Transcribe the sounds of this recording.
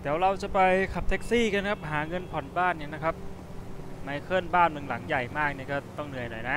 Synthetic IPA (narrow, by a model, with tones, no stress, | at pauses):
t̪ʰɛː˩˦wɾa˧wt͡ɕa˨˩pa˧jkʰa˨˩p̚t̪ʰe˦˥k̚siː˥˩ka˧nkʰa˦˥p̚ɦaː˩˦ŋɤ˧npʰɔ˨˩˦nbaː˥˩nːi˥˩ɐna˦˥kʰa˦˥p̚ | ma˧˥jkʰɤː˥˩˨nbaː˥˩nmɯ˧ŋla˩˦ŋja˨˩jmaː˥˩k̚ni˥˩ɐkɔː˥˩t̪ɔ˥˩ŋnɯ˧əjnɔ̰˨˩jna˦˥